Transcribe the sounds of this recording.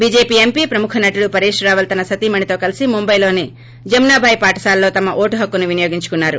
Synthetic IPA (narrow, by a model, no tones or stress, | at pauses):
biːd͡ʒeːpiːempiːpɾɐmukʰɐnɐʈuɽupɐɾiːʂɾɐɾaːʋɐlt̪ɐnɐsɐt̪imɐɳit̪o̞ːkɐlisimumbɐjlo̞ːni | d͡ʒɐmnaːbʱaːjpaːʈɐ̥saːlːo̞ːt̪ɐmɐʔoːʈuɦɐkːunuʋinɐjoːɡiɲt͡ʃu̥kunːaːɾu